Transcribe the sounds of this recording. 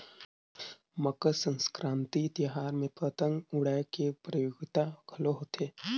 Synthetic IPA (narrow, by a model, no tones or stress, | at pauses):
məkəsə̃nskɾʔãːnt̪it̪iɦaːɾmẽpət̪əŋɡʊɽajkepɾəjoːɡɪt̪akʰəloɦot̪ʰeː